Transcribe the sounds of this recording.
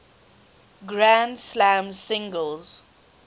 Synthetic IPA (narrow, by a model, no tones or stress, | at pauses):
ɡɹãndslãmsɪ̃ŋɡəlz̥